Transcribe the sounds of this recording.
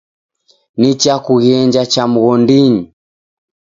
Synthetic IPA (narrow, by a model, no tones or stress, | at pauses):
nit͡ʃakuɣiɛɲd͡ʒat͡ʃamuɣɔndiɲi